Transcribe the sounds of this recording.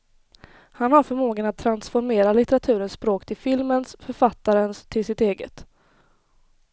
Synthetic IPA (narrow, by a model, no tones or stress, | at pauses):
hanhaɾfœɾmoːɡənat̪̚ʰːɾansfɔɾmeːɾalɪt̪ɛɾat̪ʰʉ̟ːɾənsːpɾoːkt̪ʰɪlfɪlmənsfœɾfat̪ːaɾənst̪ʰɪlsɪt̪eːɡət̪